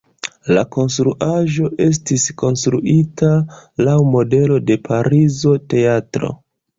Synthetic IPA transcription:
la̰ko̞nstɾuʔaʒo̞ʔe̞s̬tisko̞nstɾuʔitalawmo̞de̞lo̞de̞pʰaɾizo̞te̞atɾo̞̰

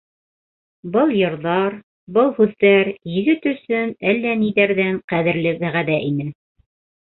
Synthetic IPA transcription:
bɤlˠjɤ̆ɾðɑɾ | bɤlˠhʉðːæɾjɵ̆ɡɘt̪ɵ̆sɵnælːæniðæɾðæɴqæðɘ̆ɾlɘβæʁæðæʔinɘ

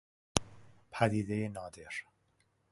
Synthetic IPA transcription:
pʰæd̪iːd̪ejenɒːd̪e̞ɾ

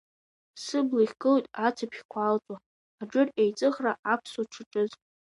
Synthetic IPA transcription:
sɨbliχʲɡʼɨlijtʼat͡sʰapʰkʷʰalt͡sʼwa | aʈ͡ʂɨrejt͡sʼɨχraʔapʰsaʈ͡ʂʰɨʈ͡ʂʼɨz

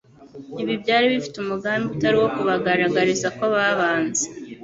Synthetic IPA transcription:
iβibjaːɾiβifi̥tumuɡaːmbutaɾiwo̞kuβaɡaɾaɡaɾizako̞βaβaːnze̥

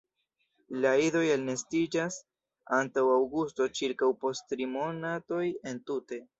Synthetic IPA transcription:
laido̞jalnestid͡ʒas | antawawɡusto̞t͡ʃiɾkawpo̞stɾimonato̞je̞ntute̞

